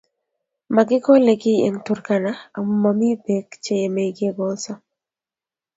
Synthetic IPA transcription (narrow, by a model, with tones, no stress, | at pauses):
ma˨ɡɪ˦kɔ˦le˨ɡɪ˦ḛ˨ŋtu˨ɾka˨na˦a˨mu˨ma˨mi˦be˨kt͡ʃe˦je˨me˨iɡe˦ɡɔ˦sa˦